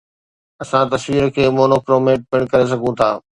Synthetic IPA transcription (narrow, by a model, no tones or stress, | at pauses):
ɐsãt̪ɐsʋiːɾəkʰeːmoːnoːkɾoːmeːʈ̚pɪɽ̃kɐɾes̬ɐɡʱũt̪ʰaː